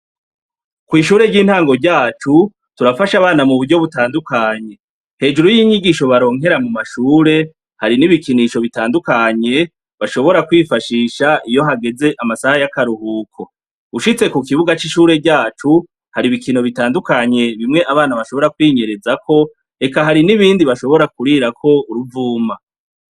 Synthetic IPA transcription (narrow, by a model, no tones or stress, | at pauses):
kwiːʃuːɾe̞ɟiːn̥haːŋɡo̞ɾɟaːt͡ʃu | tuɾafaʃaβaːnamuβuɾɟo̞βutaːndukaɲe̞ | he̞ːd͡ʒuɾujiːɲiɡiʃo̞βaɾo̞ːŋe̞ɾamumaʃuːɾe̞ | haɾiniβikiniʃo̞βitaːndukaɲe̞ | βaʃo̞βo̞ɾakwifaʃiːʃaijo̞ɦaɡe̞ze̞ʔamasahajakaɾuhuːkʰo̞ | uʃit͡se̞kukiβuɡat͡ʃiʃuːɾe̞ɟaːt͡ʃu | haɾiβikino̞βitaːndukaɲe̞βimŋe̞ʔaβaːnaβaʃo̞βo̞ɾakwiːɲe̞ɾe̞zakʰo̞ | e̞kaɦaɾiniβiːndiβaʃo̞βo̞ɾakuɾiɾakʰo̞uɾuvuːma